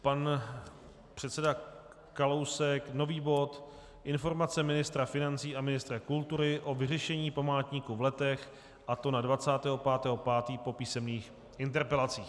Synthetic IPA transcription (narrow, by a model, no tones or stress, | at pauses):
pan | pr̝̥ɛt̪sɛda | kalowsɛkno̞viːbo̞t̪ | ʔɪnfo̞ɾmat͡sɛmɪnɪst̪ɾafɪnant͡siːʔamɪnɪst̪ɾakult̪uɾɪʔo̞vɪrɛʃɛɲiːpamaːt̪ɲikuvlɛt̪ɛx | ʔat̪o̞nadvat͡saːt̪ɛːɦo̞paːt̪ɛːɦo̞paːt̪iːpo̞piːsɛmniːx | ʔɪnt̪ɛɾpɛlat͡siːx